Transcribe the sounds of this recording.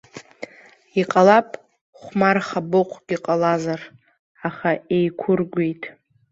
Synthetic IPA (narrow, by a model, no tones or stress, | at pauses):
iqʼalapʼ | χʷmarχabɨqʷʼʰɡ̥ʲiqʼalazar | aχaejkʷʰʊrɡʷejtʼ